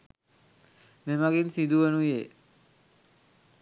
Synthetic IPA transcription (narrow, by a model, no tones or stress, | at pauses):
memaɡinsid̪uʋənuje